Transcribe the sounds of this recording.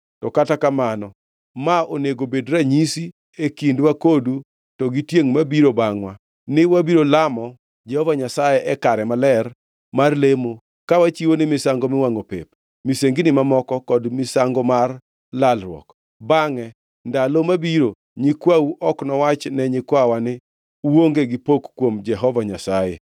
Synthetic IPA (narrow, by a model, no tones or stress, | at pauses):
tɔkatakamanɔ | maoneɡobedɾaɲisi | ekindwakodu | tɔɡitjeŋmabiɾobaŋwa | nɪwabiɾolamɔ | d͡ʒɛhɔvaɲasajɛʔɛkaɾɛmalɛr | marlemo | kawat͡ʃiwonɪmɪsaŋɡomɪwaŋopḛp | miseŋɡinɪmamɔkɔkɔdmɪsaŋɡɔmar | lalɾwɔ̰k | baŋɛ | ndalomabiɾo | ɲikwawuʔɔknɔwat͡ʃnɛɲɪkwawanɪ | woŋɡeɡɪpokːwomd͡ʒɛɦɔvaɲasaje